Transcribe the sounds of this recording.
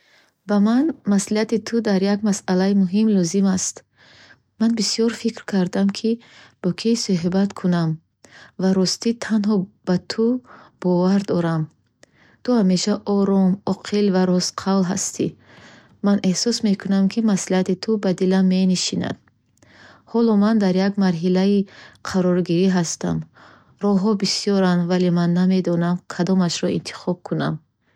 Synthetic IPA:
bamanmasliat̪it̪ʰud̪aɾjaɡmasalaimuɦimlɔzimast̪ | manbisijɔɾfikɾkʰaɾd̪amkʰib̥ɔkʰisoɦibat̪kʰunam | vaɾɔst̪it̪ʰanɦɔb̥at̪ʰub̥ɔvaɾd̪ɔɾam | t̪uhame̞ʃaʔɔɾɔmɔqʰilvaɾɔsqʰawlɦa̰st̪ʰi | manʔe̞hsɔsme̞kʰunamkʰimaslihat̪it̪ʰubad̪ilamːe̞niʃina̰d̪̥ | hɔlɔmand̪aɾjaɡmaɾɦilaiqʰaɾɔɾɡiɾiɦast̪a̰m | ɾɔɦɔbisijɔɾanvalemanːame̞d̪ɔnamkʰad̪ɔmaʃɾɔḭnt̪ʰi̥χɔb̚kʰuna̰m

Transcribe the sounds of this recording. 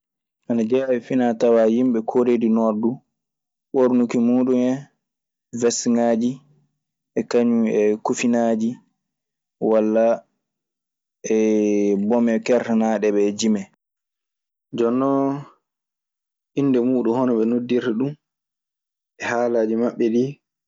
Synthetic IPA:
ʔanad͡ʒawifinatawajimɓɛkʰoɾedinɔdu | ɓoɾnukimuːɗumɛ | vɛsŋaːd͡ʒi | ʔɛkaɲuɛkufinaːd͡ʒi | walːa | ɛbɔmɛkɛɾtanaɗɛɓɛd͡ʒimɛ | d͡ʒɔnːɔ | ʔindɛmuːɗumhɔnɔɓɛnodːiɾiɗum | ʔɛhaːlaːd͡ʒimaɓːɛɗi

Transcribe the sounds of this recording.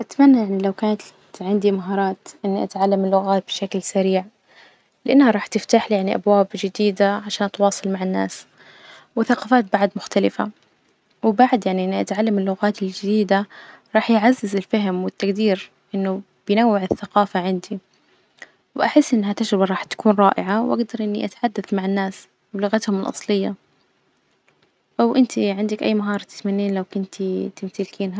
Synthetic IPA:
ʔat̪manːajaʕnilawkaːnat̪ | ʕɪnd̪imaɦɑːɾˤɑːt̪ʔɪnːiʔat̪ʕalːamɪlːʊɣaːt̪̚bɪ̥ʃaklsaɾiːʕ | lɪʔanːhaɾˤɑːħt̪ɪft̪aːħljaʕniʔabwaːbd͡ʒɪd̪iːd̪aʕaʃaːnt̪wɑːsˤɑlmaʕɪnːa̰ːs | wɪθaqɑːfaːt̪̚baʕd̪mʊxt̪alɪfa̰ | wɪbaʕd̪jaʕniʔɪnːʔat̪ʕalːamɪlːʊɣaːt̪ɪld͡ʒɪd̪iːd̪aɾˤɑːħjʕazːɪzɪlfaɦɪmwɪt̪ːaɡd̪iːɾ | ʔɪnːʊ | b̥ɪjnawːɪʕɪθːaqɑːfaʕɪnd̪i | wʔaħɪsːʔɪnːɦat̪ad͡ʒɾɪbaɾˤɑːħt̪ḁkuːnɾˤɑːʔɪ̰ʕawʔaɡd̪ɑɾˤʔɪnːiʔat̪ḁħad̪ːaθmaʕanːaːs | wɪlʊɣat̪hʊmɪlʔɑ̰sˤlɪjːa | ʔwʔɪnt̪ʰiʕɪnd̪akʔa̰jːmaɦɑːɾˤt̪ɪ̥t̪manːiːnlawkʊnt̪it̪ɪmt̪ɪlkʰiːnɦa

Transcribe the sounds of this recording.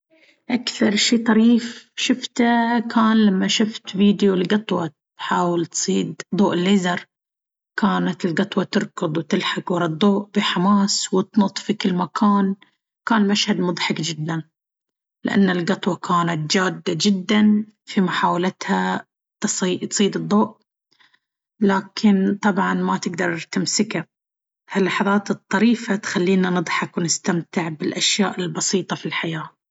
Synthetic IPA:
ʔakθɑɾˤʃiːt̪ˤɑɾiːfʃʊft̪akʰaːnlamːaʃʊft̪viːd̪jolɡɑt̪ˤwɑt̪ | ħaːwɪlt̪sˤiːd̪d̪ˤuːʔɪlːeːzɑɾˤ | kaːnat̪ɪlɡɑt̪ˤwɑt̪ɨɾˤkɨd̪ˤwt̪ɪlħakwɑɾɑd̪ˤoːʔbɪħamaːswɪt̪nʊt̪ˤfikɪlːmakʰaːn | kaːnmaʃhad̪mʊd̪ˤħɑkd͡ʒɪd̪ːan | lɪʔa̰nːalɡɑt̪ˤwɑkʰaːnat̪̚d͡ʒaːd̪ːad͡ʒɪd̪ːan | fimʊħaːwalat̪ha | t̪siːt̪sˤiːd̪ɨd̪ˤːoːʔ | laːkʰɪnt̪ˤɑbʕɑnmat̪ɪɡd̪ɑɾˤt̪ɪmsɪka | halːɑħɑðˤɑːt̪ɨt̪ˤːɑɾiːfat̪xalːiːnanɨd̪ˤħɑkwɪnɪst̪amt̪ɪʕbɪlʔaʃjaːʔɪlbɑsiːt̪ˤɑfilħajaː

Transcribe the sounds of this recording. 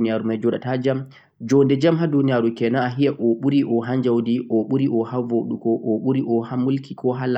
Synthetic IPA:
nijaɾumajd͡ʒɔɗa̰tad͡ʒam | d͡ʒɔndɛd͡ʒamɦadunijaɾukɛnaːɦijaʔɔɓuɾiʔɔɦand͡ʒawdiʔɔɓuɾiʔɔhavoɗukɔʔɔɓuɾiʔɔhamulkʰikʰɔɦala

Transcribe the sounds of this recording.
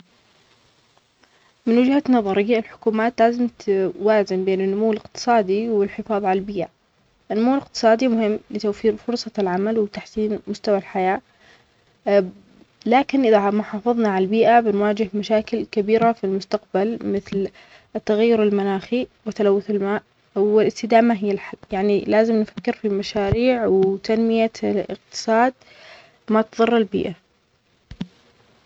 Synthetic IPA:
mɪnwɪd͡ʒhanɑðˤɑɾɪjːaɪlħʊ̥kuːmaːt̪laːzɪmt̪waːzɪmbeːnɪnːʊmuwːlɪqt̪ɨ̥sˤɑːd̪iwɪlħɪfɑːðˤʕalalbiːʔa | ʔɪnːʊmuːlɪqt̪ɨ̥sˤɑːd̪imʊhɪmːlɪt̪awfiːɾfʊɾsˤɑlʕamalwɪt̪aħsiːnmʊst̪awalħajaː | laːkɪnʔɪðamʊħɑːfɨðˤnɑʕalbiːʔabɪnwaːd͡ʒɪhmaʃaːkɪlkabiːɾafilmʊst̪aqbalmɪθl | t̪ːaɣajːʊɾɪlmanaːxiwɪt̪ːalawːʊθɪlmaːʔ | wɪlʔɪst̪ɪd̪aːmaɦɪjːalħalːjaʕnilaːzɪmnfḁkːɪɾfimaʃaːɾiːʕwt̪anmɪjaɪ̰q̚t̪ɨ̥sˤɑːd̪̚ | mat̪ðˤɨrˤːɪlbḭːʔa

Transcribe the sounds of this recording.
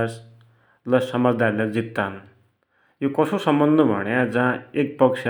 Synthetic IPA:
s | lʌsʌmʌd͡zd̪aɾlad͡zit̪ːan | jokʌsosʌmbʌnd̪ʱʌbʱʌ̰ɳjad͡zãek̚pʌkt͡ʃʰ

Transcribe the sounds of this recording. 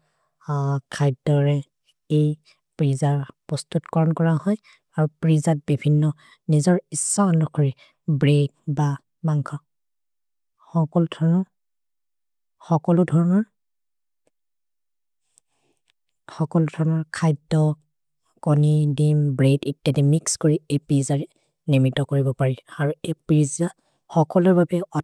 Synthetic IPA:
kʰajdɔɹɛ | ej | pɹizaɹpɔstutkɔɹɔnkɔɹahɔj | aɹupɹizat̚bibʱinːɔ | nizɔɹisːɔnɔkʰɔɹi | bɹeɡ̚ba | maŋkʰɔ | xɔkɔludʰʱɔɹɔnɔ | xɔkɔludʱɔɹɔnɔɹ | xɔkɔlʊdʱɔɹɔnɔɹkʰajdɔ | kɔnidimbɹeditːjadimikskoɹiepɹizaɹɛ | nimitːɔkoɹibɔpaɹiaɹuepɹiza | xɔkɔlʊɹbabɛɔ

